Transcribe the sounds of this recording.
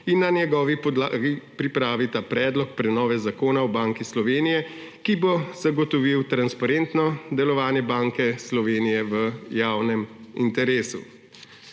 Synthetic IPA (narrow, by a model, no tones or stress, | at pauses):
inːanjɛɡɔːʋipɔd̪aɡipɾipɾaːʋit̪apɾɛːd̪lɔk̚pɾɛnɔːʋɛzakoːnaɔbaːŋkislɔʋeːnijɛ | kiboz̥aɡɔt̪ɔʋiwt̪ɾanspaɾent̪nɔd̪ɛlɔʋaːnjɛbaːŋkɛslɔʋeːnijɛʋəjaːwnɛmḭnt̪ɛɾeːsṵ